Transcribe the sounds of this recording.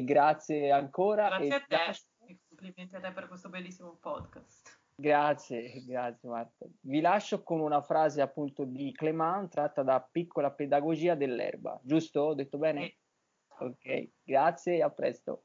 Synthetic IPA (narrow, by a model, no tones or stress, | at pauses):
ɡɾat̪sjeaŋkoːɾaaela | ikompliment̪eat̪ːɛpːeɾkwest̪obelːisːimopɔd̪kast̪ | ɡɾat̪sjeɡɾat̪sːjemart̪a̰vilaʃːokonunafɾaːzeapːunt̪od̪iklemawnt̪ɾat̪ːad̪apikːolaped̪aɡod͡ʒiːad̪elːɛ̰rba̰d͡ʒust̪od̪ːet̪ːobɛːne | okɛ̰jḭ | ɡɾat̪sːjeːapːɾɛ̰st̪o̰